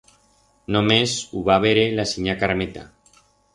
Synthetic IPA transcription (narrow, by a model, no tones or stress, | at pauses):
nomesuβaβeɾelasiɲakaɾmet̪a̰